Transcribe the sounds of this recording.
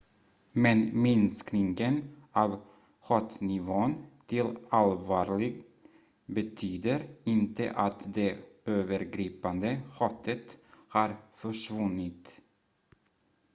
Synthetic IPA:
mɛnmɪnsknɪŋɡənʔɑːv | hɑːt̪nɪvoːnt̪ʰɪlalvɑːɾɭɪɡ | bɛt̪ʰyːd̪əɾɪnt̪ə̰ʔat̪d̪ɛøːvəɾɡɾiːpand̪əhɑːt̪ʰət̪hɑɾfœʂvɵnɪt̪

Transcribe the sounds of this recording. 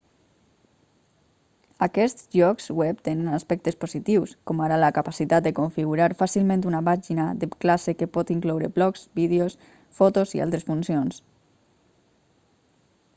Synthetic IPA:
akɛst̪ʒɔkzwɛpt̪enənaspɛk̚t̪espozit̪iwskɔmaɾaləkapasit̪at̪̚d̪ekoɱfiɣuɾaɾfasilˠmẽnt̪unapaʒinaðepklasekepɔt̪iŋklɔwɾeblɔkz̥bið̞eos | fɔt̪ozḭʔa̰lˠt̪ɾesfunsions

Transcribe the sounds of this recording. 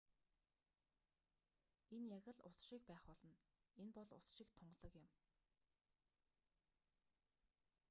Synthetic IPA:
enjaɣʲə̆ɮʊ̰sʃik̚pæːχpɔɮɞ̆n | enpɔɮʊ̰sʃikt̪ʰʊɴɢɮɞ̆kjɪ̆m

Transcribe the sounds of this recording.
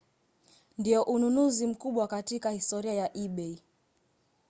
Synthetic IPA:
ndiɔʔununuzim̩kuɓwakatikahistɔɾiajaʔiɓɛi

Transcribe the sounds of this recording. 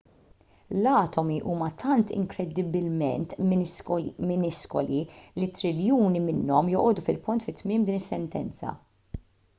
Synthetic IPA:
lɐːt̪ɔmiʔuːmɐt̪ʰɐnt̪ɪ̰ŋkɾɛd̪ɪbɪlmɛ̰nt̪ | mɪnɪskɔ̰lilit̪ːɾɪljuːnimɪnːɔmjɔʔɔːd̪ufɪlpʊnt̪fɪt̪ːmɪːmd̪iːnɪsːɛnt̪ɛnt͡sɐ̰

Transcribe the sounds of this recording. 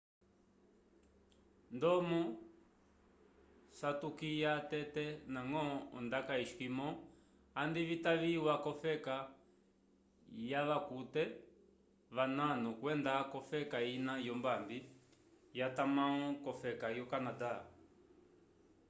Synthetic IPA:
ndɔmɔ | satukijatɛtɛnaŋɔɔndakaiʃkimɔ̃ | andiβitaβiwakɔfɛka | jaβakutɛ | βananukwɛndakɔfɛkainajɔmbambi | jatamãɔ̃kɔfɛkajɔkanada

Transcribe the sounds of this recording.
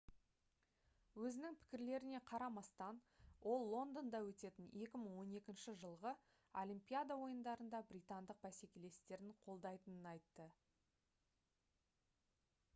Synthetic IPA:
wɵzɪnɪŋpʰɪ̥kʲɪɾle̞ɾɪne̞qʰɑɾɑmɑst̪ɑnwʔo̞lˠːo̞nd̪ond̪ɑwɵt̪e̞t̪ɪne̞kʲɪməɴwo̞ne̞kʲɪnʃɪʒəlˠʁə | olʲimpʲijad̪ɑwo̞jənd̪ɑɾənd̪ɑbɾʲijt̪ɑnd̪əq̚bæse̞kʲe̞le̞st̪e̞ɾɪɴqʰo̞lˠd̪ɑjt̪ənənɑjt̪ːə

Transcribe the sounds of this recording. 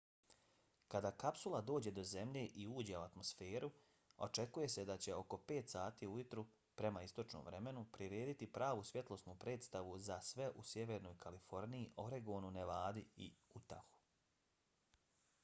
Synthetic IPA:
kad̪aːkapsulˠad̪o̞ːd͡ʑe̞d̪o̞ze̞mʎe̞ʔiuːd͡ʑeuat̪mo̞sfeːɾʔu | o̞̰t͡ʃe̞kuje̞se̞d̪at͡ɕe̞o̞ko̞pe̞ːt̪saːt̪iujut̪ɾu | pɾe̞maist̪o̞t͡ʃno̰mʋɾe̞me̞nupɾiɾe̞ːd̪it̪ipɾaːʋusʋje̞t̪lˠo̞snuːpɾe̞ːt̪st̪aʋuzasʋe̞ʔusje̞ʋe̞ɾno̞ːjkʰalifo̞ɾnijiʔo̞ɾeɡo̞ːnuneʋaːd̪iḭut̪a̰xu̥

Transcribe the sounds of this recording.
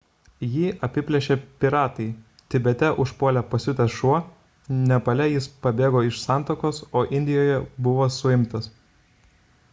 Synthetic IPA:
jiːʔɐpʲɪpʲlʲɛʃʲeːpʲɪɾɑːt̪ɐɪ | t̪ʲɪbʲɛt̪ʲɛʔʊʃpuɔlʲɛpɐsʲʊt̪ʲɛsʃuɔ | nʲɛpɐlʲɛjɪspɐbʲeːɡoːɪʃsɑˑnt̪oːkoːsoːʔɪnʲd̪ʲɪjoːjɛbʊʋoːsʊɪmt̪ɐs

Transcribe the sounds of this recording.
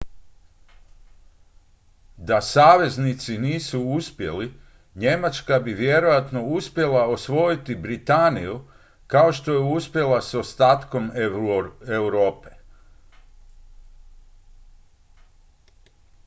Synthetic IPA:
d̪asaːʋe̞znit̪siniːsuuspje̞̰li | ɲe̞mat͡ʃkabiʋje̞ɾo̞jat̪no̞uspje̞laosʋo̞jit̪ibɾit̪aniju | kao̞ʃt̪o̞jeuspje̞laso̞st̪aːt̪ko̞m | ewɾo̞ːpe

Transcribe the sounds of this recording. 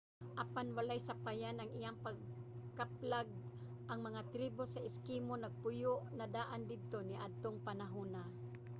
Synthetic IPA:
ʔapanwalajsapajanɐŋɪjaŋpaɡ̚kaplaɡ̚ | ʔɐŋmɐŋat̪ɾiːbosɐʔɪskimonɐɡ̚pʊjʊʔnɐd̪aːʔand̪ɪd̪̚t̪onɪʔad̪̚t̪oŋpanaɦuːna

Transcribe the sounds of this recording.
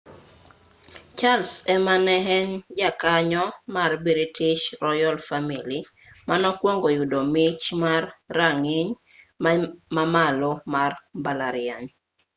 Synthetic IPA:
t͡ʃalsɛmanɛɦɛnd͡ʒakaɲɔmarbiɾitɪʃɾɔjɔlfamili | manɔkwɔŋɡɔjudomɪt͡ʃmarːaŋɪɲ | mamalɔmarbalaɾɪaɲ

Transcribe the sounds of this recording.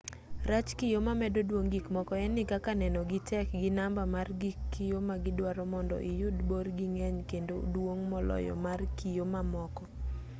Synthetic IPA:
rat͡ʃkijomamɛdodwoŋɡikmɔkɔɛnɪkakanɛnɔɡɪtʰɛk̚ɡɪnambamarɡikːijomaɡɪdwaɾɔmɔndɔ̰ʔɪjʊdborɡiŋɛɲkendodwoŋmɔlɔ̰jɔ̰markʰijomamɔkɔ

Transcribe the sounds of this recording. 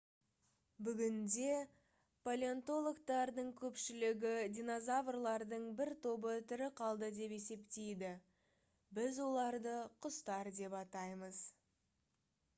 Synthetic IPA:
bʏɡʲɪnd̪e̞ | pʰolʲeont̪o̞lˠokt̪ɑɾd̪əɴkʲʰɵpʃɪlɪɡʲɪd̪ʲijno̞zavrlˠɑɾd̪əɴbɪɾt̪ʰo̞bət̪ʰʏɾɪqʰɑlˠd̪əd̪e̞pe̞se̞pt̪e̞jd̪ɪ | bɪzwo̞lˠɑɾd̪əqʰʊst̪ɑɾd̪e̞pɑt̪ɑjməz̥

